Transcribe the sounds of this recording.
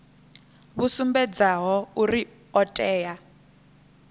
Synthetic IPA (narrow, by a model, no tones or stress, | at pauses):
βusumbɛd͡zaɦɔuri | ɔtʼɛːja